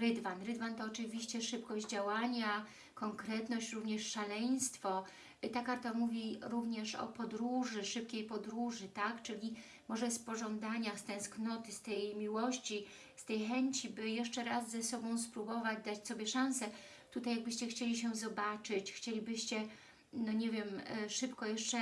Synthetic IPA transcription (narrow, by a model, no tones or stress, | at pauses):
ɾɘd̪vanɾɘd̪vant̪ɔːt͡ʂɘvʲiɕt͡ɕɛʂɘpkɔʑd͡ʑd͡ʑawaɲa | kɔŋkɾɛt̪nɔɕt͡ɕɾuvɲɛʂʂalɛj̃st̪fɔ | t̪akaɾt̪amuvʲiɾuvɲɛʂɔ̰pɔd̪ɾuʐɘʂɘp̚kʲejpɔd̪ɾuʐɘt̪akt͡ʂɘlʲi | mɔʐɛspɔʐɔnd̪aɲast̪ɛ̃w̃sknɔt̪ɘst̪ɛjmʲiwɔɕt͡ɕi | st̪ɛjxɛɲt͡ɕibɘjɛʂt͡ʂɛɾazːɛsɔbɔ̃w̃spɾubɔvad͡ʑd̪at͡ɕsɔbʲjɛʂãñsɛ | t̪ut̪ajːaɡ̚bɘɕt͡ɕɛxt͡ɕelʲiɕ̬ɛzɔbat͡ʂɘt͡ɕxt͡ɕelʲibɘɕt͡ɕɛ | nɔɲɛvʲjɛmʂɘpkɔjɛʂt͡ʂɛ